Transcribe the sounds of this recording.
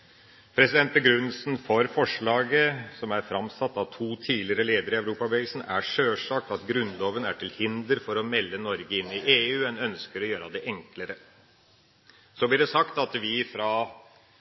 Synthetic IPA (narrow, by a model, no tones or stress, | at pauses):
pʰɾɛsɪd̪ɛnt̪̚əɡɾʉnːlsnfɔɾfɔʂɭɑːɡəsɔmæɾfɾɑmsɑt̪ːɑʋt̪ʰuːt̪ʰiːlɪɾəleːd̪əɾəɪæʋɾuːpɑbɛiːsn̩æ̰ʂøːʂɑːk̚t̪ɑt̪ɡɾʉnloːʋənæʈʰɪlhɪnd̪əɾfɔɾɔmɛlːənɔɾɡəɪnːɪʔeːʉːɛnœnskəɾɔjøːɾəd̪ɛʔɛŋkləɾə | sɔblɪɖɛsɑkt̪ɑt̪ʋɪfɾɑ